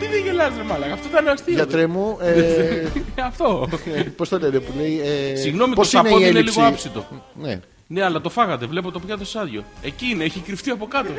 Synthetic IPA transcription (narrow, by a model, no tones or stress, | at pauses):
t̪iðeʝelɐzt̪emɐlɐɣɐft̪ot̪ɐneɐst̪iɐt̪ɾemue | ɐft̪o̞post̪olet̪epuleiesiɣno̞mitoosɐneoieinelisɣoɐpsit̪o̞̰ | nḛ | ne̞ɐlɐt̪o̞fɐɣɐt̪e̞vle̞p̬ot̪o̞pʝɐðosɐðʝo̞̰e̞cineeçikɾift̪iɐpo̞kɐt̪o̞